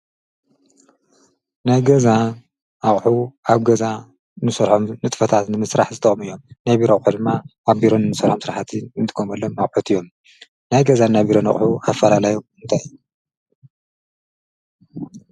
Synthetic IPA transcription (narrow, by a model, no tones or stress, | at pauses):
najɡɐza | aχʼħuʔaβɡɐza | nɨsɐɾħomnɨt̪ʼfɐt̪ʰat̪nɨmɨsɾaħzɨt̪ʰɐ̰ʔʼmɨjːo̞mnajbiɾaχʼħud̪ɨmːaʔaβbiɾo̞nɨnːɨsɐɾħomsɨɾaħat̪ʰiɨnt̪ʰɨ̥kʰomɐlːomnɐχʼħut̪ʰɨjːo̞m | najɡɐzanːabiɾona̰χʼħuafːɐlalajomɨnt̪ʰajɨjːu